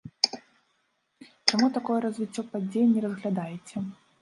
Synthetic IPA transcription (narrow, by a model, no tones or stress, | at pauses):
t͡ʂamut̪akɔjɛɾɐzvʲit͡sʲːɔpad͡zʲejɛnʲːɛrɐzɣlʲad̪ajet͡sʲɛ